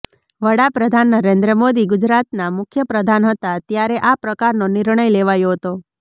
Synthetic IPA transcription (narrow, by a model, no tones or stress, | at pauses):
ʋəɽapɾəd̪ʱanːəɾend̪ɾəmod̪iɡʊd͡ʒɾat̪namʊkʰjəpɾəd̪ʱanɦət̪at̪jaɾeʔapɾəkaɾnonɪɾɳ̃əjleʋajoɦət̪o